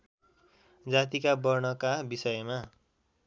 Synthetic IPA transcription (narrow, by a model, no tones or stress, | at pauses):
d͡zat̪ikabʌrnʌkabisʌjma